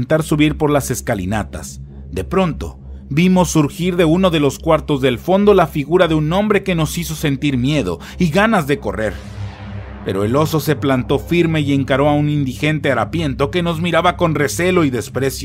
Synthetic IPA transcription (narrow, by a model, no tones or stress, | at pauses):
nt̪aɾsuβiɾpo̞ɾlase̞skalḭna̰t̪a̰s | d̪e̞pɾo̞nt̪o̞̰ | bimo̞sːuɾxiɾðe̞uno̞ðe̞lo̞skwaɾt̪o̞zðe̞lfo̞nd̪o̞lafiɣuɾaðeunõ̞mbɾe̞ke̞no̞siso̞se̞nt̪iɾmje̞ðo̞̰ | iɣanazðe̞ko̞̰re̞̰ɾ | pe̞̰ɾo̞e̞lo̞so̞se̞plant̪o̞fiɾme̞je̞ŋkaɾoaunind̪ixe̞nt̪e̞aɾapje̞nt̪o̞ke̞no̞zmiɾaβako̞nre̞se̞lo̞iðe̞spɾe̞sjo